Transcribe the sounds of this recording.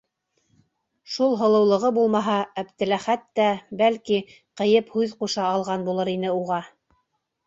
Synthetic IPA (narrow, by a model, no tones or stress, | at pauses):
ʃulˠɦɤ̆lˠɤ̆wlˠɤ̆ʁɤbulˠmɑɦɑæpt̪ɘ̆læχæt̪ːæbælki | qɤ̆jɤphʉðquʃɑːlˠʁɑnbulˠɤɾinɘuʁɑ